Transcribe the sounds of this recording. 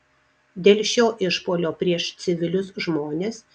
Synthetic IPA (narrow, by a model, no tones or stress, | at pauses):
d̪ʲeːlʲʃʲoːʔɪʃpoːlʲoːpʲɾʲiɛʃt̪sʲɪʋʲɪlʲʊsʒmoːnʲeːs